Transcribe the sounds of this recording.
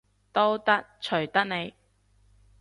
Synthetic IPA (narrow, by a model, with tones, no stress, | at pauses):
t̪o˥wt̪ɐ˥k̚t͡ʃʰɵ˨˩ɥt̪ɐ˥k̚ne˨˧j